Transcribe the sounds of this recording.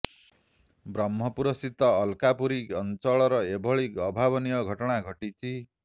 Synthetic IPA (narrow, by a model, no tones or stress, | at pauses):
bɾʌmːʌpuɾʌsit̪ʌːlkapuɾikʌnt͡sɔɭɔɾʌebʱʌɭikʌbʱabʌnijʌɡʱʌʈɔɽ̃aɡʱʌʈit͡sʰi